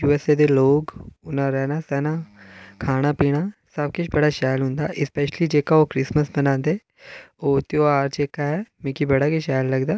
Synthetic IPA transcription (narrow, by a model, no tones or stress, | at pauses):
juːɛseːd̪eːloːkʊnãːɾɛːnaːsɛːnaːkʰaːɽ̃aːpiːɽ̃aːsəb̚kʊt͡ʃʰbəɽaːʃaːjəlɦʊ̃nd̪a̰ːʔɪspɛːʃəliːd͡ʒeːkaːoːkɾɪsməsbənãːnd̪eː | oːt̪eoːaːɾd͡ʒeːkaːɛːmɪ̃ːkibəɽaːkeʃaːjəlːəɡd̪aː